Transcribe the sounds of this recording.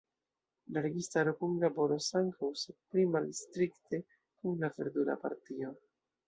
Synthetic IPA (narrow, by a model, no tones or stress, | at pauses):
laɾe̞ɡistaɾo̞kunlabo̞ɾo̞saŋkawsed̚plimalstɾikte̞ | kuŋlafe̞ɾdula̰pa̰ɾtio̞